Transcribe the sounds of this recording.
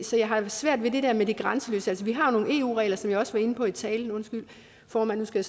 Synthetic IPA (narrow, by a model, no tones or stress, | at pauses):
sɒ̽jɑ̈ɪɦɑ̈sʋæɐ̰d̥ʋe̝d̥e̝d̥ɛɐ̰med̥iɡ̥ʁɑ̈nsəlø̰ːsəælsəʋiɦɑ̈no̝ːn̩e̝̰ːṵːʁɛ̰ːlɐsɒ̽mjɑ̈ɒ̽sʋɑ̈e̝nəpʰɒ̽it͡sʰɛ̰ːljənɔ̽nsɡ̥yl̰ | fɒːmænːusɡ̥æj